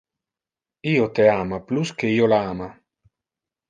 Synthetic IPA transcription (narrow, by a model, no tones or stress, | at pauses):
iːot̪eamapluskeiːolaaːma